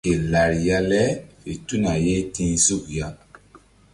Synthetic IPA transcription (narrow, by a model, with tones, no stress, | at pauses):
e˨la˨ɾja˦lɛ˦fe˨tu˦na˨je˦tĩ˦nzu˦˨kja˦